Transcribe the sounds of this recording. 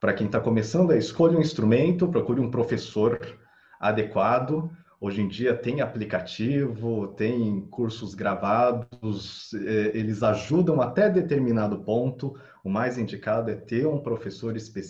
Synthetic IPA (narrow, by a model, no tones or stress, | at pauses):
pɾɐkẽj̃t̪akomesɐ̃nd̪ʊɐɪskoʎũĩst̪ɾumẽnt̪ʊpɾokuɾɪũpɾofesoɾ | a̰d̪ekwad̪ʊ | oʒẽd͡ʒiɐt̪ẽj̃aplikat͡ʃivʊt̪ẽj̃kʰuɾsʊzɡɾavad̪ʊzɛelɪzaʒud̪ɐ̃w̃at̪ɛd̪et̪eɾminad̪ʊpõnt̪ʊ | ʊmajzĩnd͡ʒikad̪ʊɛt̪eɾũpɾofesoɾɪspes